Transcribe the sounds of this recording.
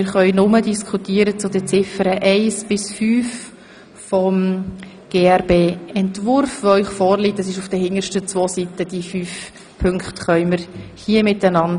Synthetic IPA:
ɪɾχœʏnʊmədiskʰχutiːəɾət͡sʊdɛt͡sɪfəɾəʔɛɪsb̥ɪsfyːf | fɔm | ɡ̥eːæɾbeːɛntvʊɾfʋoœɪχfɔːɾlitəsɪʃʊfd̥əhɪŋəʃtət͡sʋoːsitəd̥ifyːf | pʰʏŋkχtχœʏməɾhiəmɪtanɑnd

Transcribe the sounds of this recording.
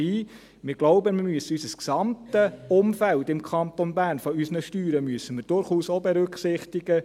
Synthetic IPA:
iː | mɪɾɡ̥loʊbəmɪɾmyəsəysəsksɑmtəʊmfæltɪmkʰɑnt̪ɔnbæːɾnfɔysnəʃtyːɾəmyəsəmɪːɾd̥ʊɾχuːsobɛɾʏkχsɪχt̪ɪɡə

